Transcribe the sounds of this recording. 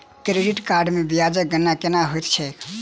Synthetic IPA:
kɾeɖiʈkaɾɖmebijad͡ʒək̚ɡənakenaɦojt̪t͡ʃʰɛk

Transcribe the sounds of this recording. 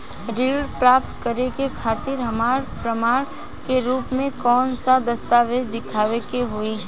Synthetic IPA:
ɾiːɖpɾaːp̚t̪kəɾekekʰaːt̪ɪɾɦɐmaːɾpɾəmaːɽ̃ | keɾuːpmẽkɔːnsad̪ɐst̪aːʋeːd̪ɪkʰaːʋekeɦʊiː

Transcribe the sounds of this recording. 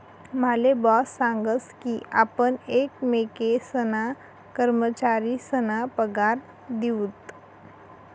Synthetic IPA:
malebɔːsːãŋɡəskiʔapənekmekesəna | kəɾmət͡ʃaɾisənapəɡaɾ | d̪iut̪

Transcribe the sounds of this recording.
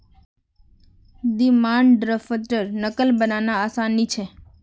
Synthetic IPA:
d̪imaɳɖɖɾəfəʈəɾnəkəlbənanaːsanːit͡ʃʰe

